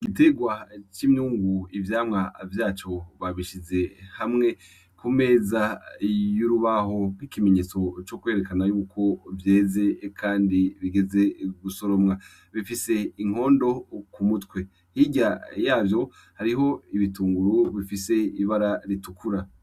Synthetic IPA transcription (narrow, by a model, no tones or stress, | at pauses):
ɡite̞ɡwat͡ʃimɲuːŋɡuivjaːmŋavjaːt͡ʃo̞βaβiʃize̞hamŋe̞ | kume̞ːzajuɾuβaɦo̞ɡwikime̞ɲe̞ːt͡so̞t͡ʃo̞kwe̞ːɾe̞kanajuːkʰo̞vje̞ːze̞kʰaːndiβiɡe̞ze̞ɡuso̞ɾo̞mŋa | βifise̞iŋ̥o̞ːndo̞kumutwe̞ | hiɟajaːvjo̞ | haɾiɦo̞iβituːŋɡuɾuβifise̞iβaɾaɾitukuɾa